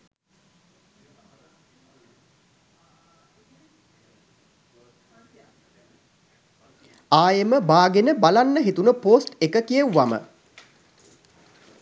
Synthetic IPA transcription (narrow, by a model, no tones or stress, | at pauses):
aːjeməbaːɡenəbalanːəɦit̪unəpoːsʈekəkijəwʋamə̰